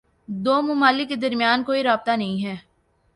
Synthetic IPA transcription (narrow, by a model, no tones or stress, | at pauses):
d̪oːmʊmaːlɪkːed̪ɐɾmijaːnkoːiɾaːb̚t̪anɐɦĩɦɛː